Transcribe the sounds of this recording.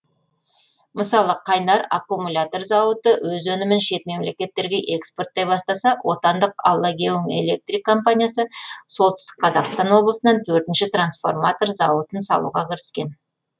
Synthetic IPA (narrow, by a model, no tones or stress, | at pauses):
məsɑlˠəqʰɑjnɑɾa̰kːumulʲat̪o̞rzɑwət̪əwɵzɵnɪmɪnʃe̞t̪me̞mle̞kʲe̞t̪ːe̞ɾɡʲe̞ʔe̞kspo̞rt̪̚d̪e̞pbɑst̪ɑsɑwʔo̞̰t̪ɑnd̪əqɑ̰lˠːɑɡʲewəme̞̰lʲe̞̰k̚t̪rikːo̞mpanʲijasəso̞lˠt̪ɪst̪ɪ̥k̚ʲqʰɑzɑqst̪ɑnwo̞blˠəsənɑnt̪ʰɵɾt̪ɪnʃɪt̪ransfo̞̰rmat̪o̞rzɑwət̪ənsɑ̰lˠṵʁɑkʲʰɪɾɪskʲe̞n